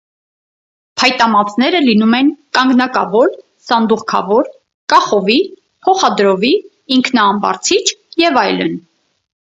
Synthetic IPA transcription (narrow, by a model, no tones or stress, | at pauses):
pʰɑjt̪ɑmɑt͡sʰnɛɾəlinumɛnkɑŋɡnɑkɑvɔɾ | sɑnd̪uʁkʰɑ̰vɔɾ | kɑχɔvi | pʰɔχɑd̪ɾɔviː | ŋkʰnɑːmbɑ̰ɾt͡sʰit͡ʃʰjɛvɑjlə̰n